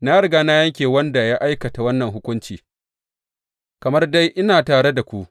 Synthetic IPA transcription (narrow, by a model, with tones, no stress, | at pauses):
naː˦ɽɪ˨ɡaː˦na˦jɐ˦ŋkʲeː˨wɐ˦nda˨ja˦ʔa˦jkɐ˨ta˨wɐ˦nːɐ˨ŋɦʊ˦kʷʊ˦nt͡ʃiː˨ | kɐ˨mɐ˦rda˦jʔɪ˦naː˨taː˨ɽe˦da˨kʷu˦ʔ